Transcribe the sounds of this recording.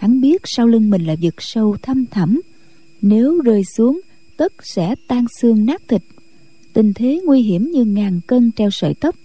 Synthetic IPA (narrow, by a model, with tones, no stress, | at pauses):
a˨˦ŋɓi˦˥ət̚saː˧wli˧ŋmï˨˩ŋ̟laː˨˩vi˨˩ək̚sə˧wt̪ʰə˧mt̪ʰə˧˩m | ne˨˦wzəː˨˩jsu˨˦əŋ | t̪ə˦˥t̚sɛ̰˧˥t̪aː˧ŋsɨ˧əŋnaː˦˥k̚t̪ʰï˨˩k̚ | t̪ï˨˩ŋ̟t̪ʰe˨˦ŋwi˧ɦi˧˩əmɲɨ˧ŋaː˨˩nkə˧nt͡ɕɛ˧wsə̰ː˧˨jt̪ə˦˥p̚